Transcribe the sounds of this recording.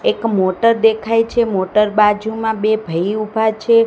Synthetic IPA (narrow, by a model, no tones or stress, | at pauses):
ekmoʈəɾd̪ekʰajt͡ʃʰemoʈəɾbad͡ʒʱumãbebʱəjubʱat͡ʃʰe